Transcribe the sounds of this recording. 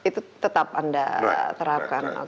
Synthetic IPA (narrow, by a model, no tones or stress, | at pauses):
it̪ut̪ət̪apanda̰t̪əɾap̚kana̰